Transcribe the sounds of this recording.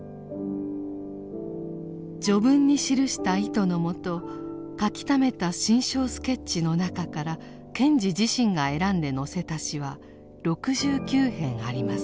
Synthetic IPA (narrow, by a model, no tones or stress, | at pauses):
d͡ʑo̞bɯ̟̃ɲ̟ːiɕiɾɯ̟ɕi̥t̪ait̪o̞no̞mo̞t̪o̞ | kakʲi̥t̪ame̞t̪aɕĩɰ̃ɕo̞ːsɨ̥ke̞tt͡ɕːino̞nakakaɾa | kẽ̞ɲd͡ʑid͡ʑiɕĩŋɡae̞ɾãnd̪e̞no̞se̞t̪aɕiβ̞a | ɾo̞kɯ̟ʑɨːkʲɨːhẽ̞ɰ̃aɾʲimasɨ̥